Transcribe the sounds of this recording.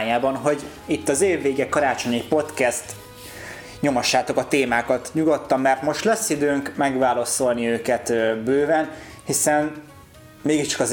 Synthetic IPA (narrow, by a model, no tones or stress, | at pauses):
jaːbɒnɦo̞ɟ | it̪ːɒzeːvːeːɡɛkːɒɾaːt͡ʃo̞ɲipo̞t̪kɛst̪ | ɲo̞mɒʃːaːt̪o̞kɒt̪eːmaːkɒt̪ɲuɡo̞t̪ːɒmːɛrt̪mo̞ʃt̪lɛsːid̪øːŋkmɛɡvaːlɒso̞lniøːkɛt̪bøːvɛn | hisɛn | meːɡiʃt͡ʃɒ̥kɒz